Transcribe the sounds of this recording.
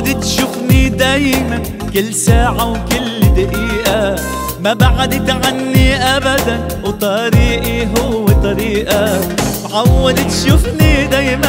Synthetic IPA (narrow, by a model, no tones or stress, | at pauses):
d̪ɪt̪ʃʊfnid̪ajɪman | kɪlːsaːʕawkʊlːd̪aʔiːʔa | mabaʕad̪ɪt̪ʕanːiʔabad̪an | wt̪ˤɑɾiːʔiɦʊwːet̪ˤɑɾiːʔat̪ʕawːad̪ɪt̪ʃʊfnid̪aːjma